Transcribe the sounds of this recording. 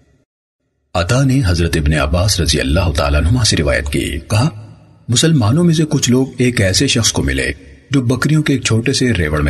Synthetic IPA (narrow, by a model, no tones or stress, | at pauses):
ɐt̪aːneɦɐzɾət̪ɪbneɐ̰baːsɾɐzijɐ̰lːaːɦʊt̪a̰ːlaːnɦʊmãseɾɪʋa̰ːjə̰t̪kḭːkɐɦa | mʊsəlmaːnõmẽs̬ekʊt͡ʃʰloːɡeːkɛːseʃɐxskomɪ̰lḛːd͡ʒoːbɐkɾijõkeːk̚t͡ʃʰoːʈeseɾḛːʋəɽmẽ